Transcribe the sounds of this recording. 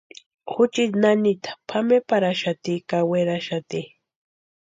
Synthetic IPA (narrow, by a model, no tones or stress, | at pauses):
xʊt͡ʃit̪nanit̪ḁpʰamepaɾaʃat̪ikaweɾaʃat̪i